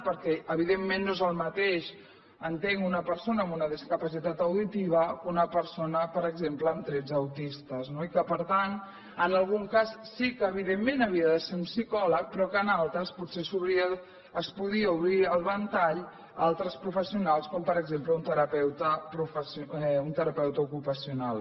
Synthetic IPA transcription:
pəɾkɛʔəβ̞iðemːenːoezəlˠmət̪eʃ | ənt̪eŋunəpəɾsonəːmunəðiskəpəsit̪at̪əwðit̪iβ̞əunəpəɾsonəpəɾəɡzempləːmt̪ɾɛd͡zəwt̪ist̪əznoikəpəɾt̪an | ənəlˠɣuŋkassikəːβ̞iðemːẽnəβiəðəseɾumsikɔlək̚pɾɔkənalˠt̪ɾəsputsesuβɾiəː | spuðiəuβɾiəlˠβənt̪aʎ | alˠt̪ɾəspɾufəsiunalˠskɔmpəɾəɡzempləunt̪əɾəpɛwt̪əpɾufəsunt̪əɾəpɛwt̪əukupəsiunalˠ

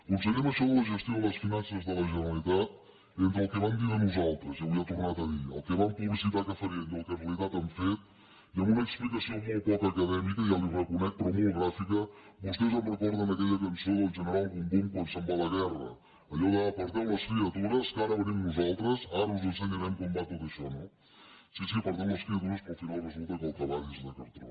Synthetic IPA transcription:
kunsəɣiməʃɔðələʒəst̪ioləsfinansəzðələʒənəəlit̪at̪̚ | ent̪ɾəlˠkəβamd̪iənuzalˠt̪ɾəzjawiət̪urnat̪əðiə̰lˠkəβampuβlisit̪akəfəɾiəmd̪əlˠkərəlit̪at̪əmfet̪̚ | iəmbunəksplikəsiomolˠt̪̚pɔkəkəðɛmikəialirəkunɛk̚t̪ɾɔmolˠɣɾafikəβust̪ɛzəmrəkɔɾðənəkɛʎəkənsoðəlˠʒənəɾalˠɣumd̪umkwansəmblələɣɛrə̰ː | ʎɔɣəːpəɾt̪ɛləskliət̪uɾəskaɾəβənimnuzalˠt̪ɾəzaɾəuzənsenəɾɛmkɔmbat̪ot̪əʃɔnɔ | sisipəɾðɛləskliət̪uɾəspufiɾalˠrəzulˠt̪ək̪əlˠt̪əβaʎizðəkəɾt̪ɾɔ̰

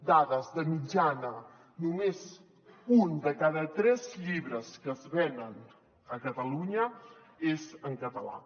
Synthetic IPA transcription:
d̪aðəzðəmid͡ʒanə | numez | und̪əkaðət̪ɾɛzʎiβɾəskəzβɛnən | əkət̪əluɲə | ezəŋkət̪əla̰

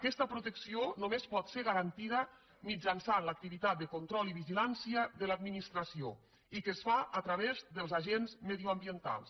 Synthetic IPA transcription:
kɛst̪əpɾut̪əksionomespɔt̪seɾɣaɾant̪iðə | mid͡ʒansanlək̚t̪iβit̪at̪̚d̪əkunt̪ɾɔliβiʒilansiəðəlad̪minist̪ɾəsio | ikəsfaət̪ɾaβezðəlˠzaʒenzmeðiuambiənt̪a̰lˠs

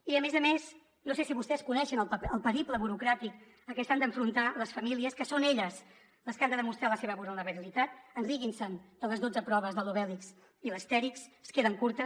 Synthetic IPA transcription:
iəmezəmes | nosesiβust̪ɛskunɛʃənəlˠəəlˠpəɾipləβuɾukɾat̪ik | əkɛst̪and̪əɱfɾunt̪aləsfəmiliəskəsoneʎəs | ləskand̪əðəmust̪ɾaləseβəβuɾunəβəɾilit̪at̪ənriɣinsənd̪ələzðod͡zəpɾɔβəzðəluβɛliks | iləst̪ɛɾiksskeðəŋkuɾt̪ə

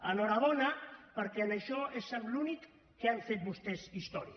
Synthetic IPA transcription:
ənɔɾaβɔnapəɾkɛnəʃɔesamlunikː | eaɱfet̪̚bust̪ɛzist̪ɔɾi

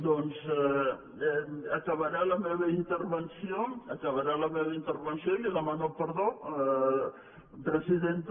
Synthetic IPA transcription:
d̪ons | ɐkɐβɐɾalɐmeβɐint̪əɾβənsijoɐkɐβɐɾalɐmeβɐint̪əɾβənsiõliðəmanopəɾðo | pɾəsiðent̪

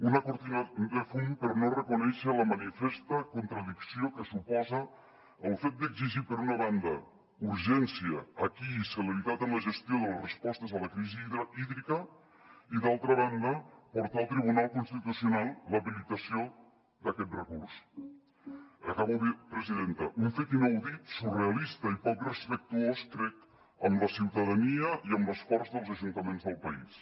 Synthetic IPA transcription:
unəkuɾt̪inand̪əfumpəɾnorəkunɛʃələmanifɛst̪əkunt̪ɾəðiksiokəsupɔzəː | lˠfet̪̚d̪əɡziʒipəɾunəβand̪ə | uɾʒɛnsjəːkiːsələɾit̪at̪ənləʒəst̪joðələrəspɔst̪əzələkɾiziiðɾikə | iðalˠt̪ɾəβand̪əpɔɾt̪aːlˠt̪ɾiβunalˠkunst̪it̪usiunalˠləβilit̪əsio | d̪əkɛt̪̚rəkuɾs | əkaβuðipɾəziðent̪əʔuɱfet̪inəwðit̪sureəlist̪əipɔkrəspək̚t̪uosk̪ɾɛk̚t̪ | əmləsiwt̪əðəniəiəmləsfɔɾzðəlˠzəʒunt̪əmenzðəlˠpəḭs

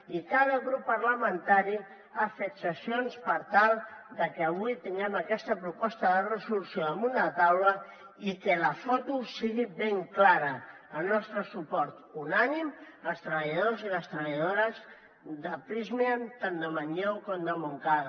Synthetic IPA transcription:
ikað̞əɣɾupːəɾləmənt̪aɾi | afet̪səsionspəɾt̪alˠd̪əkəːβ̞ujt̪iŋɡɛməkɛst̪əpɾupɔst̪əðərəzulusjoðəmund̪ət̪awlə | ikələfɔt̪usiɣibeŋklaɾəː | lnɔst̪ɾəsupɔɾt̪unanim | əlˠst̪ɾəβəʎəðoziləst̪ɾəβəʎaðoɾəz | ðəpɾizmiant̪and̪əmaɲɛwkɔmd̪əmuŋkað

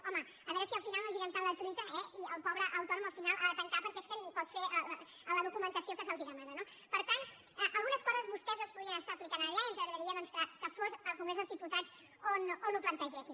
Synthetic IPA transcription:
ɔməːβɛɾəsiəlˠfinalˠnəlˠʒiɣɛnt̪anlət̪ɾit̪əɛiəlˠpɔβɾəʔəwt̪ɔnuməlˠfinalˠʔaðət̪əŋkapəɾkɛeskənipɔt̪feʔəl | ələðukumənt̪əsiokəsəlˠziðəmanəno | pəɾt̪an | ɛʔəlˠɣunəskɔzəzβust̪ɛzəspuðiənəst̪aːplikanəʎaənzəɣɾəðəɾiəðɔnskəkəfozəlˠkuŋɡɾezðəlˠzðiput̪atz̥ | ononluplənt̪əʒɛsin

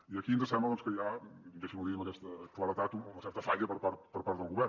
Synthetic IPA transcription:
iəkiənzəsɛmbləðɔnskəʎaɡɛʃimuðiuməkɛst̪əklˠəɾət̪at̪uunəsɛɾt̪əfaʎəpəɾpaɾt̪̚pəɾpaɾt̪ðəlˠɣuβɛɾ

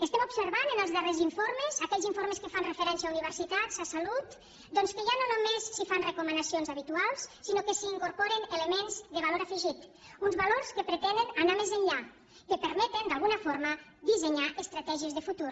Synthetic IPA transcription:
əst̪ɛmubsəɾβanənəlˠzðəreziɱfoɾməzakɛʎziɱfoɾmeskəfanrefəɾɛnsiauniβ̞əɾsit̪at̪zasalut̪ | d̪ɔnskəʒanonomesːifanrekumənasionzaβit̪ualˠsːinokəsiːŋkuɾpɔɾeneləmenzd̪əβaloɾafəʒit̪ | unzβaloɾskəpɾət̪ɛnd̪ənanamezənʎa | kəpəɾmɛt̪ənd̪alˠɣunəfoɾməðizeɲaʔest̪ɾat̪ɛʒiəzðəfut̪ur

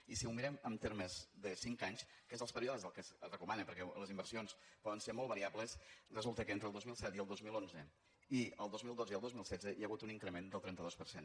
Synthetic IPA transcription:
isiumiɾɛməmt̪eɾməzðəsiŋkaɲskezðəlˠspəɾioðəzðəlˠkəzrəkumanəpəɾkɛləzimbəɾsionspɔðənseɾmɔlˠβəɾiabləsrəzulˠt̪əkəent̪ɾəlˠd̪ozmilˠsɛt̪iəlˠd̪ozmilˠonzə | iəlˠd̪ozmilˠd̪ozəiəlˠd̪ozmilˠsɛdd͡zzəjaɣut̪uniŋkɾəmend̪əlˠt̪ɾɛnt̪əðospəɾsen

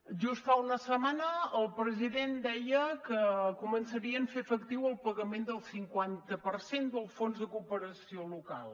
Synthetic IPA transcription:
ʒust̪aunəsəmanəːlˠpɾəziðend̪ɛjəkəkumənsəɾiəɱfefəkt̪iwəlˠpəɣəmend̪əlˠsiŋkwant̪əpərsend̪əlˠfonzðəkupəɾəsioluka̰lˠ

